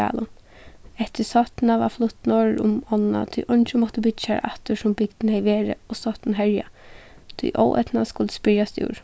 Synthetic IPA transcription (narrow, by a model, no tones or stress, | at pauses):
a̰ːlʊ | ɛt̪ɪsɔt̪naʋaflʊt̪nɔːɹɾʊmɔnna̰t̪ʰijʔɔnt͡ʃɪmɔt̪əbɪt͡ʃaɾʔa̰t̪ʊsʊmbɪkt̪nhɛjʋeːɹə̰ɔsɔht̪nɦɛɹja̰ | t̪ʰʊ̰jʔɔ̰wʔɛ̰t̪naskʊlt̪ə̥spɪɹjast̪ṵːɹ